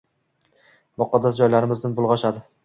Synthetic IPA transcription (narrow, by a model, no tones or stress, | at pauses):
bɒqːɒd̪as̬d͡ʒɒjlaɾɪmɪznɪnbʊlˠʁɒʃad̪ɪ